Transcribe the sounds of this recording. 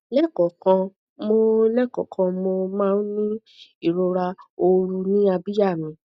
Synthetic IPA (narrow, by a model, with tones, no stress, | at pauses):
lɛ˦kɔ˨kã˧ | mo˧˦lɛ˦kɔ˨kʰã˧mo˧mãː˦n̩˦nĩ˦ | i˦˨ɾo˧ɾa˧o˧ɾu˧nĩ˦a˧bi˦ja˦˨mĩ˧˦